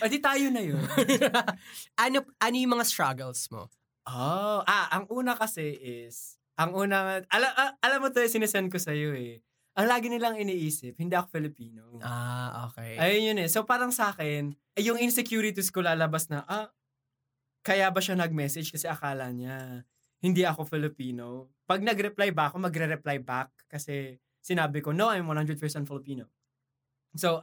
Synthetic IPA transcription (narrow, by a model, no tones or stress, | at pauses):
pɐd̪ɪt̪aːjonɐjon | ʔɐnoʔɐnojʊŋmɐŋast̪ɹaɡɛlsmo̰ | ʔoʔaʔɐŋʔuːnɐkɐsɛʔɪs | ʔɐŋuːnɐʔɐlɐʔɐʔɐlɐmːot̪oɪsɪnɛsɛn̚kosɐjo̞ɛ | ʔɐŋlaːɡɪnɪlaŋɪniʔiːsɪp̚hɪnd̪iɐkofɪlɪpiːnoʔaʔo̰ːkɛjʔɐjonjonɛso̞paːɾɐŋsaːkɪn | jʊŋɪnsɛkjuːɾɪt̪iskolaːlɐbasnɐʔa | kɐjabɐʃanɐɡ̚mɛsɛd͡ʒkɐsɛʔɐkaːlɐɲa | hɪnd̪iɐko̞fɪlɪpiːno̞ | pɐɡ̚nɐɡɾɛplajbakomɐɡɾɛɾɛplajbak̚kːɐsɛ | sɪnaːbɪko̞noʔajmwɐnhand̪ɹɛd̪̚pɛɹsɛnfɪlɪpiːno | so